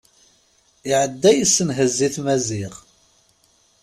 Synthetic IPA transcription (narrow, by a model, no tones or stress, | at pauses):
ɪʕəd̪ːæjisːənɦəzːiθmæziʁ